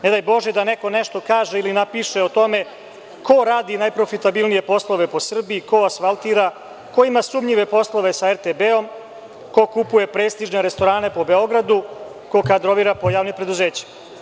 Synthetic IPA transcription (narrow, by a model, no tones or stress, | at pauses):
ned̪ajbo̞ʒed̪aneko̞neʃt̪o̞kaːʒeilinapiʃe̞ot̪o̞me̞ | ko̞ɾaːd̪inajpɾo̞fit̪abilnije̞po̞slˠo̞ʋe̞po̞sr̩biiko̞asfalt̪iɾa | ko̞imasumʎiʋe̞po̞slˠo̞ʋe̞saeɾt̪ebeo̞m | ko̞kupuje̞pɾeːst̪iʒne̞ɾest̪o̞ɾaːne̞po̞be̞o̞ɡɾad̪u | ko̞kad̪ɾo̞ʋiːɾapo̞jaːʋnimpɾe̞d̪uzeːt͡ɕi̥ma